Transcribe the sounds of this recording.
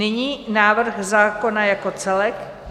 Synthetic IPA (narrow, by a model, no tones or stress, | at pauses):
ɪɲiːnaːvr̩xzaːko̞najako̞t͡sɛlɛk